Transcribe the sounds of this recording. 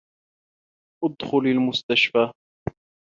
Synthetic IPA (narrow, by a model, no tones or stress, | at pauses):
ʔʊd̪xʊlalmʊst̪aʃfaː